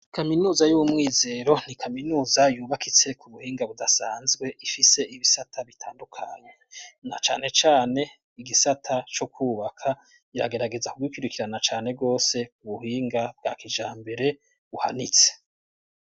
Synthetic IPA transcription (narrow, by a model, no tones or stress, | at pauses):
kaminuːzajuwumŋiːze̞ːɾo̞n̥ikʰaminuːzajuːβakit͡se̞kuβuhiːŋɡaβudasaːnzɡwe̞ʔifise̞ʔiβisatʰaβitʰaːndukʰaɲe̞na̰t͡ʃa̰ːne̞t͡ʃaːne̞ | iɡisatʰat͡ʃokwuːβakʰa | iɾa̰ɡe̞ɾaɡe̞zakuɡwikuɾikiɾanat͡ʃaːne̞b̚ɡo̞ːse̞kuβuhiːŋɡab̚ɡa̰ːkid͡ʒaːmbe̞ɾe̞ | βuha̰nit͡se̥